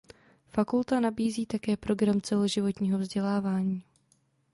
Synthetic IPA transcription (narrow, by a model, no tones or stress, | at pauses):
fakult̪anabiːziːt̪akɛːpɾo̞ɡɾamt͡sɛloʒɪvo̞t̪ɲiːɦo̞vzɟɛlaːvaːɲiː